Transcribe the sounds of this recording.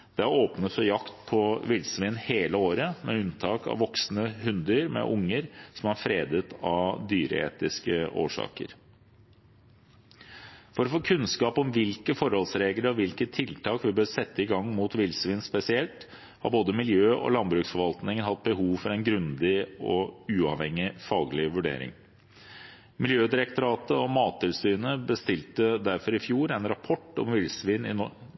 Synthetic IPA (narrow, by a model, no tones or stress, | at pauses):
d̪̥ɛæɾoːpnət̪fɔɾjɑkt̪pʰɔʋɪlsʋɪːnheːləoːɾəmɛ̰ʉnt̪ʰɑːkɑ̰ʋʋɔksnəɦʉnd̪əɾmɛ̰ʔʊŋːəɾsɔmhɑɾfɾeːd̪ət̪ɑd̪yːɾə̰ḛːt̪ɪskəʔo̰ːʂɑ̰ːkə̰ɾ | fɔɾɔfoːkʰʉnskɑːpɔmʋɪlkəfɔɾhɔlsɾeːɡləɾɔʋɪlkət̪ʰːɪlt̪ʰɑːkʋɪbøːɾsɛt̪ːəɪɡɑŋːmuːt̪ʋɪlsʋɪːnspɛsɪɛlt̪ | hɑ̰ɾboːd̪əmɪljøːʔɔ̰lɑnbɾʉːksfɔɾʋɑlt̪nɪŋənhɑt̪̚bəɦuːʋfɔɾænɡɾʉnd̪ɪɔʉːɑʋhɛŋːɪfɑːɡlɪʋʉɖḛːɾɪ̰ŋ | mɪljøːd̪ɪɾək̚t̪ʊɾɑːt̪əɔmɑːt̪ʰːɪlsyːnəbəst̪ɪlt̪əd̪æɾfɔɾɪfjuːɾɛnɾɑpʰɔʈːɔ̰mʋɪlsʋiːnɪ̰nɔ